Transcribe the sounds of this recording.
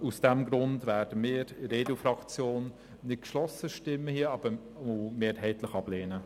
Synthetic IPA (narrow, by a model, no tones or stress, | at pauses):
usd̥ɛmɡɾʊndvæːɾd̥əmiːɾɾeːdl̩fɾɑkt͡sjoːn | nɪt̚kʃlɔsəʃtɪmːəhiəɑb̥ə | omeːɾɦɛɪtləχɑb̥leːnə